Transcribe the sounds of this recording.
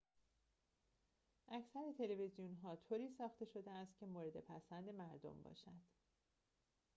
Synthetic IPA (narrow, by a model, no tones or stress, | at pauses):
ʔæcʰsæɾet̪ʰe̞le̞vezijunɦɒːt̪ʰoːɾiːsɒːxt̪e̞ʃo̞d̪eæst̪̚cʲʰe̞moːɾe̞d̪e̞pʰæsænd̪e̞mæɾd̪o̰mbɒ̰ːʃæd̪̥